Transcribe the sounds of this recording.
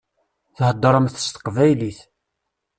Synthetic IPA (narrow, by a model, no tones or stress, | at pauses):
θhəd̪ˤːəɾˤəmθə̥st̪ə̥qvæjliθ